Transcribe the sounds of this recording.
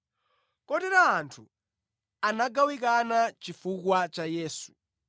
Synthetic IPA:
kɔtɛɾaːntʰu | anaɡawikanat͡ʃifukwat͡ʃajɛːsu̥

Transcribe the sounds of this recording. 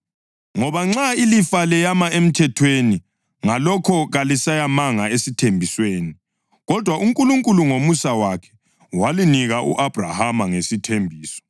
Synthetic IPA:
ŋɔβaŋ͡ǁailifalɛjamaem̩tʰɛtʰweni | ŋalɔkʰɔɣalisajamaŋaesitʰembʱisweːni | ɣɔd̥ʱwaʔuŋkʼuluŋkʼuluŋomusawakʰɛ̥ | waliniɣaʔṵʔab̥ʱra̰hamaŋesitʰembʱiːsɔ̥

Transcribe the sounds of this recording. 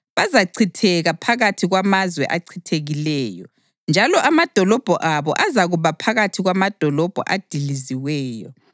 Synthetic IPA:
βazaǀʰitʰɛɣapʰaɣatʰiɣwamazwɛ̰ʔaǀʰitʰeɣilɛːjɔ̰ | nd͡ʒʱalɔʔamad̥ʱɔlɔb̥ʱɔʔaβɔ̰ʔazaɣuβapʰaɣatʰiɣwamad̥ʱɔlɔb̥ʱɔ̰ʔad̥ʱiliziwɛːjɔ̰

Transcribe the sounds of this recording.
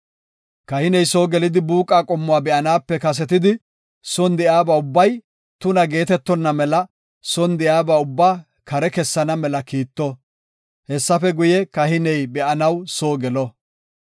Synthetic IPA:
kɐhɪnɛjsoːɡɛlɪd̪ɪbuːkʼaːkʼɔmːʊaːbɛʔɐnaːpːɛkɐs̬ɛt̪ɪd̪ɪ | sɔnd̪ɪjaːbaːʊbːɐj | t̪ʊnɐɡe̞ːt̪ɛt̪ːɔnːɐmɛlɐ | sɔnd̪ɪjaːbaːʊbːaː | kʰɐɾɛkɛsːɐnɐmɛlɐkiːt̪ːɔ | hɛsːɐfɛɡʊjɛkɐhɪnɛjbɛʔɐnɐwsoːɡɛlɔ

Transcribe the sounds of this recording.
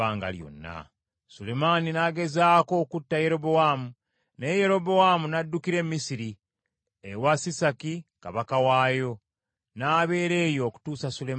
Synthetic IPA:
aːŋɡa̰ljo̰nːa̰ | sule̞maninaːɡe̞zaːko̞ːkutːaje̞ɾo̞bo̞wamu | neje̞ɾo̞bowamunadːukiɾe̞mːisiɾi | ewasisakikaβakawaːjo̞ | naːβe̞ːɾe̞ːjo̞ːku̥tuːsasule

